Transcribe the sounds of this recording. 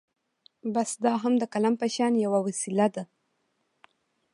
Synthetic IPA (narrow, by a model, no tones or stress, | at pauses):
basd̪ɑɦamd̪əkalampaʃɑnjawawasilad̪a